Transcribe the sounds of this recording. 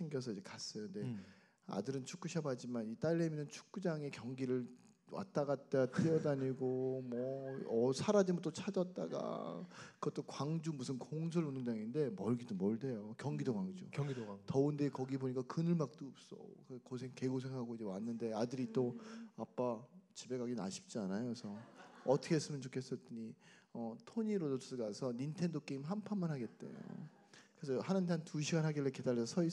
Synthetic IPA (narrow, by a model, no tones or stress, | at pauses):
t͡ɕʰiŋɡjʌs̬ʰʌid͡ʑe̞kas͈ʌjonde̞ | a̰dɯɾɯnt͡ɕʰuk͈uɕʰabad͡ʑimanit͈aɭːeminɯnt͡ɕʰu̥k̚k͈ud͡ʑaŋe̞kjʌŋɡiɾɯɭ | wa̰t͈̚aɡat̚t͈at͈ɯjʌdaɲiɡomwʌʌsʰaɾad͡ʑimɯt͈ot͡ɕʰad͡ʑʌt̚t͈a̰ɡa̰kɯɡʌt͈okwaŋd͡ʑumusʰɯnkoŋsʰʌɾonɯŋdaŋinde̞mʌɭɡidomʌɭde̞jokjʌŋɡidoɡwaŋd͡ʑṵkjʌŋɡidtʌɯndekʌɡiboɲik͈akɯnɯɭmak̚t͈oɯp̚s͈ʌ̰kkosʰe̞ŋke̞ɡos̬ʰe̞ŋɦaɡoid͡ʑe̞wanːɯnde̞adɯɾit͈oap͈at͡ɕibe̞ɡaɡina̰ɕʰi̥p̚t͡ɕ͈ianajosʰʌʌtʰʌkʰes͈ɯmjʌnt͡ɕokʰe̞s͈ʌt͈ɯɲiʌtʰoɲiɾodoɯɭɡasʰʌnintʰe̞ndok͈e̞imɦampʰanmanɦaɡe̞t̚t͈ḛjo̰ | kɯɾesʰʌhanɯndantuɕʰiɡanɦaɡiɭːeke̞daɭːesʰʌsʰʌi